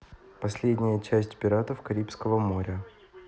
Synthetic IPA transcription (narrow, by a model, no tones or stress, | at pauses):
pɐsʲlʲedʲnʲɪjət͡ɕæsʲtʲpʲɪɾat̪əfkɐɾʲipskəvəmo̞ɾʲə